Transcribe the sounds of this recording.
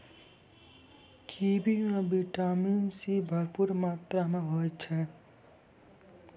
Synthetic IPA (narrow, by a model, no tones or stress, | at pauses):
kʰiːbimẽbiʈaːminsibʱəɾpuɾmaːt̪ɾamẽɦot͡ʃʰɛ